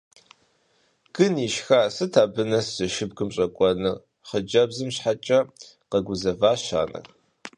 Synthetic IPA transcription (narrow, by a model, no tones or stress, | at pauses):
ɡ̥ɨniːʃxaːsɨtʰaːbɨnɐsz̥ɐʃɪbɡɨmɕʼɐkʷʼɔnɨ | χəd͡ʒɐbzɨmɕħat͡ʃʼɐ | qɐɡʷʊzɐvaːʃa̰ːnɐ̰